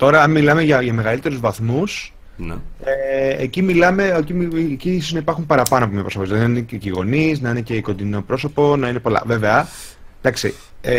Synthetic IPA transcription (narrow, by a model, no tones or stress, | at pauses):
t̪o̞ɾɐɐnmilɐme̞ʝɐʝɐme̞ɣɐlit̪e̞ɾuzvɐθmus | neecimilɐme̞ocicisoznɐipɐɾxumpɐɾɐpɐnoɐpomɲɐpɾospozlɐðinɐineciɣo̞niznɐinece̞ko̞nd̪ino̞pɾo̞so̞po̞nɐinepo̞lɐ̰ve̞ve̞ɐd̪̥ɐksḭ | e